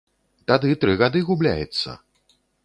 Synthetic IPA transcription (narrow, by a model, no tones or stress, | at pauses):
t̪ad̪ɨt̪ɾɨɣad̪ɨɣublʲa̰jɛt̪sːɐ̰